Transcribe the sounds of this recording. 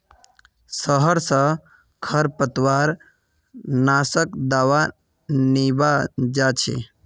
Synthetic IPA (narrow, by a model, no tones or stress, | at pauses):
səɦəɾsə̃ | kʰəɾpət̪waɾ | nasəkd̪awa | nibad͡ʒat͡ʃʰḛ